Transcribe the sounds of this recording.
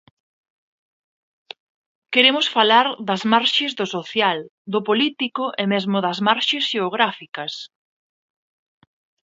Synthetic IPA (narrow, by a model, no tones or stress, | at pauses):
keɾemʊsfalaɾd̪ɐzmaɾʃɪzðʊsoθjald̪ʊpolit̪ikʊʔemezmʊðɐzmaɾʃesʃeoɣ̞ɾafikɐs